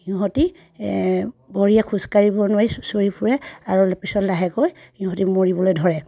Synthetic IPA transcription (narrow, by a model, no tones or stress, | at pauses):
hĩʊ̃ɦɔti | bɔɹijakʰuskaɹibɔnʊwajsoɹipʰuɹɛaɹulpisɔtlaɦɛkoj | hĩʊɦɔtimoɹibɔlojdʱɔɹɛ